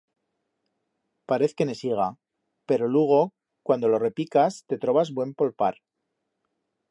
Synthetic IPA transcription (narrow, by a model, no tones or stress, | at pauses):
paɾe̞θke̞ne̞siɣ̞a | pe̞ɾo̞lweɣ̞o̞ | kwand̪o̞lo̞re̞pikast̪e̞t̪ɾo̞βazbwe̞mpolpaɾ